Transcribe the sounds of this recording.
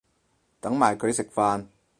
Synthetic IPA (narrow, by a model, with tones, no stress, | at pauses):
t̪ɐ˨˥ŋmaː˨˩jkʰɵ˨˧ɥsɪ˨k̚faː˧n